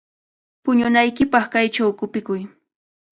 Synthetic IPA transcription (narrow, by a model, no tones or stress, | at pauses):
pʊɲʊnajkɪpɑχkajt͡ʃawkʊpɪkʊj